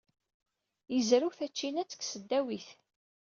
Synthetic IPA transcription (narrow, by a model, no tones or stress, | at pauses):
jəzɾuθæt͡ʃːinæt͡sːə̥ksəd̪ːæwiθ